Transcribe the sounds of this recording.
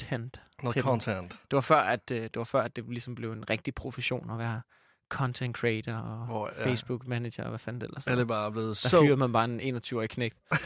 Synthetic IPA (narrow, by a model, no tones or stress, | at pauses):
end̥ʰɔnʰend̥d̥e̝ʋɑ̈fɶɐ̰æd̥d̥e̝ʋɑ̈fɶɐæd̥e̝lisɒ̽mb̥le̝ʊe̝nʁɛɡ̥̚d̥ipʰʁo̝feɕo̝̰ːnɒ̽ʋæɐ | kʰɒ̽nt͡sʰenkʰeɪd̥ɐɒ̽eɪsb̥uɡ̥mæne̥jɐɒʋæfænd̥elɐsædəb̥ɑ̈ːb̥le̝ːð̩ˠd̥ɑhyːɐð̩ˠmænb̥ɑ̈ːene̝̰ːnɒt͡sʰyːʊɒjikʰneɡ̥̚d̥